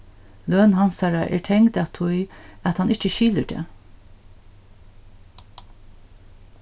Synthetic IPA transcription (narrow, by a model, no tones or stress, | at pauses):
løːnɦansaɹaʔɛ̰ːɹʈʰɛŋt̪at̪ʰʊjat̪hanɪt͡ʃəʃiːləɖḛː